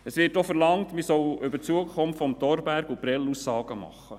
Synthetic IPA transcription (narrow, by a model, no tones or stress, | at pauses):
əsʋɪːtɔfəɾlɑŋtmisɔwʏbət͡suəkʰɔmftfɔmtɔɾbæɾɡupɾɛlusɑːɡ̥əmɑ̰χːə